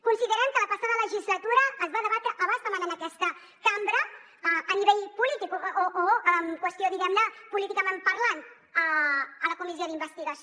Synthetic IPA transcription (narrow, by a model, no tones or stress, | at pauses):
kunsiðəɾɛmkələpəsaðələʒizlət̪uɾəːzβaðəβat̪ɾəʔəβanzðəmənanakɛst̪ə | kambɾəː | niβeʎpulit̪ikoʔoəmkwəst̪ioðiɣɛmnəpulit̪ikəmempəɾlant̪ | əələkumizjoðimbəst̪iɣəs